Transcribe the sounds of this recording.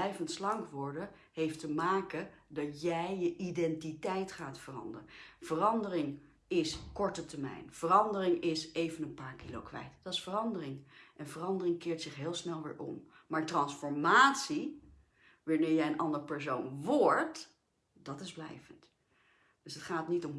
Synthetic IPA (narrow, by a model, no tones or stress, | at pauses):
ɛjvəntslɑŋkʋɔɹdə | ɦejftəmaːkədɑtjɛjjəʔidɛntitɛjtχaːtfərɑ̰ndərəvərɑndərɪŋ | ɪskɔɹtətəmɛ̰jnv̥ərɑndərɪŋɪsejvənənpaːɹkilo̰wkʋɛ̰jtd̥ɑtɪ̥sfərɑndərɪŋʔɛnvərɑndərɪŋkɪːɹtsɪχɦɪːlˠsnɛlˠʋɪ̰ːɹʔɔ̰m | maːɹtrɑnsfɔɹmaːtsi | ʋaːɹnɪːɹjɛjənʔɑndəɹəpɛɹs̬ownʋɔɹt | dɑtɪzblɛ̰jvənt | d̥øsɦətχaːtnitɔm